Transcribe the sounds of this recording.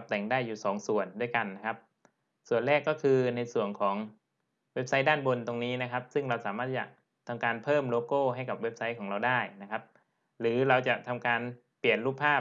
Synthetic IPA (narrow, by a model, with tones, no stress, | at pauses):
p̚t̪ɛ˨˩ŋdaː˥˩jːuː˨˩sɔː˩˦ŋsu˨˩əndu˥˩əjka˧nːa˦˥kʰa˦˥p̚ | su˨˩ənɾɛː˥˩kːɔː˥˩kʰɯː˧na˧jsu˨˩ənkʰɔː˩˦ŋ | we˦˥p̚sa˦˥jdaː˥˩nbo˧nt̪o˧ŋniː˦˥na˦˥kʰa˦˥p̚sɯ˥˩ŋɾa˧wsaː˩˦maː˥˩t͡ɕa̰˨˩ʔ | t̪ʰa˧mkaː˧npʰɤː˥˩mloː˧koː˥˩ɦa˥˩jka˨˩p̚we˦˥p̚sa˦˥jkʰɔː˩˦ŋɾa˧wdaː˥˩jna˦˥kʰa˦˥p̚ | ɾɯː˩˦ɾa˧wt͡ɕa˨˩ʔt̪ʰa˧mkaː˧n | pi˨˩ənluː˥˩pʰːaː˥˩